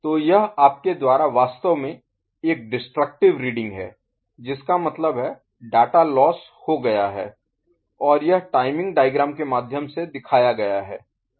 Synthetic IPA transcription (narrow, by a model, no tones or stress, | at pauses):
t̪oːjɐɦaːp̚ked̪waːɾaʋaːst̪əʋmẽ | eːk̚ɖɪsʈɾək̚ʈɪʋɾiːɖɪ̃ŋɡɦɛ̰ː | d͡ʒɪskamɐt̪ləbɦɛ | ɖaːʈalɔːs | hoɡɐjaɦɛː | ɔːɾjɐɦʈaːɪmɪ̃ŋɡ̚ɖaːɪɡɾaːmkemaːd̪ʱjəmsed̪ɪkʰaːjaɡɐjaɦɛː